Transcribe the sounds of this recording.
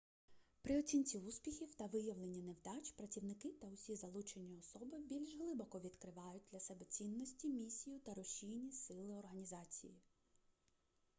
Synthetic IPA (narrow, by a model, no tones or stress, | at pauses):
pɾɪɔt͡sʲinʲt͡sʲiuspʲixʲiwt̪ɐʋɪjɐwlˠenʲːɐnewd̪ɑt͡ʃpɾɐt͡sʲiwnɪkɪt̪ɐʊsʲizɐlˠut͡ʃenʲːiɔsɔbɪbʲilʲʒɦlˠɪbɔkɔʋʲid̪kɾɪʋɑjʊt̚ʲd̪lʲɐsɛbɛt͡sʲinːɔsʲtʲimʲisʲijʊt̪ɐɾɔʃʲijnʲisɪlˠɪɔrɦɐnʲizɑt͡sʲḭji